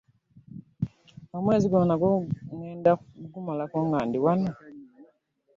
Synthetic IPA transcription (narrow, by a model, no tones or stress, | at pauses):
amweːziɡonaɡoŋweːndaɡumalakoŋɡaːndiwano